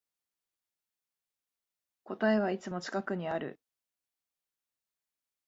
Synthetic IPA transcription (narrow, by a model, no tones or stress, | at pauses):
ko̞t̪ae̞β̞ait͡sɨmo̞t͡ɕi̥kakɯ̟ɲ̟iaɾɯ̟̰